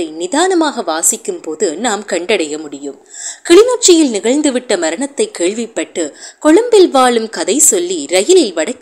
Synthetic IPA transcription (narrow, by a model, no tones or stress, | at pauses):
ɐɪnɪðaːnɐmaːɣɐʋaːsɪkːɯmpoːðɯnaːmkɐɳɖɐɽɐjɐmʊɽɪjɯmkɪɭɪnoːʈ̚t͡ʃːɪjɪlnɪɣɐɻnd̪ɯʋɪʈːɐmɐɾɐɳɐt̪ːɐɪkːeːɭʋɪpːɐʈːɯkɔɭɐmbɪlʋaːɭɯmkɐðɐɪsɔlːiɾɐjɪlɪlʋɐɽɐkː